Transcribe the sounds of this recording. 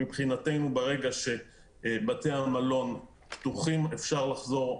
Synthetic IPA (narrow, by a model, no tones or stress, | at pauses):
ipχinat̪e̞jnubeʁe̞ɡaʃe̞ | bateamalo̞n | pt̪uχimefʃaʁlaχzo̞ʁ